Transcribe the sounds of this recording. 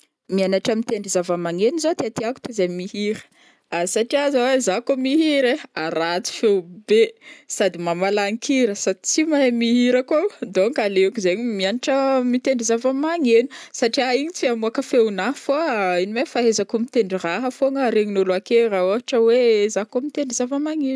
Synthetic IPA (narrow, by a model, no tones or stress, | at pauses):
mianaʈ͡ʂəmit̪eɳɖ͡ʐizavəmaŋenizot̪eat̪iaku̥t̪uzamihiɾə̥ | asaʈ͡ʂiazawezakomiɦiɾeaɾat͡si̥fewbesad̪imamalaŋikʰiɾəsad̪it͡simaemiɦiɾəkod̪oŋkaleukizeɲimianiʈ͡ʂəmit̪eɳɖ͡ʐizavəmaŋenu̥saʈ͡ʂiaiɲit͡siamuakəfewnafoinimefaɦezakumit̪eɳɖ͡ʐiraɦəfoŋəɾeɲinuluakeɾaoaaʈ͡ʂəwezakomit̪eɳɖ͡ʐizavəmaŋen